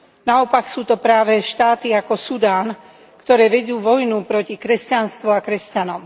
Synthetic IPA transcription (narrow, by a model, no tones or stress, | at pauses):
naɔpaksuːt̪ɔpɾaːʋɛʃt̪aːt̪iakɔsud̪aːn | kt̪ɔɾɛːʋɛd̪uːʋɔjnupɾɔcikɾɛscanst̪ʋuakɾɛscanɔm